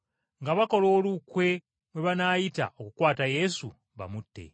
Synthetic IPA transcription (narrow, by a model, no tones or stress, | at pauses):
ŋɡaβako̞lo̞ːlukwe̞ | mwe̞βanaːjita̰o̞kukwaːtaje̞su | βa̰mutːe̞̰